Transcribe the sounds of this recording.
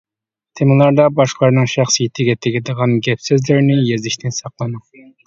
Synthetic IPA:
t̪ʰemɨlˠɑɾd̪ɑbɑʃqlˠɑɾnɨŋʃæχsijet̪ʰɪɡʲɛt̪ʰɪɡʲɛd̪əʁɑnɡʲɛpsøzlɪɾnɪjezɪʃt̪ʰɪnsɑqlˠɨnɨ

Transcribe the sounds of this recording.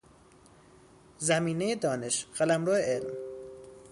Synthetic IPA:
zæmiːnejed̪ɒːne̞ʃɢælæmɾoːeelm

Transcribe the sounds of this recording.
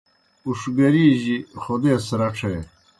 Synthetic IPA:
uʂɡɐɾiːʑixod̪eːsɾɐʈ͡ʂʰej

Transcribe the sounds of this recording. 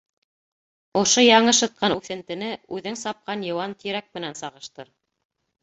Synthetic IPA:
ŏʃojɑɴɤʃɤ̆t̪̚qɑnʉθɘ̆nt̪ɘ̆nɘʉðɘŋsɑp̚qɑnjɤ̆wɑnt̪ʰiɾæk̚mɘ̆nænsɑʁɤ̆ʃt̪ɤɾ

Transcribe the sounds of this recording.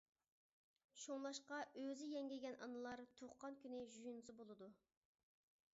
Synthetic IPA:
ʃoŋlˠɑʃqɑøzɪjɛŋɡʲɛɡʲɛnʔɑ̰nɨlˠɑɾt̪ʰoχqːɑnkʲʰynɪʒujunɨsɨbolˠɨd̪u

